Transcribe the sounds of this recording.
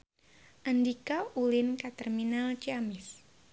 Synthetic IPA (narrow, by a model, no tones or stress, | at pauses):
ʔandikaulɪnkat̪ɛrminalt͡ʃiamɪs